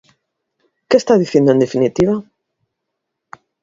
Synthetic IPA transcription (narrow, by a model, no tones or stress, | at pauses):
kest̪aðiθjend̪oẽnd̪efinit̪iβa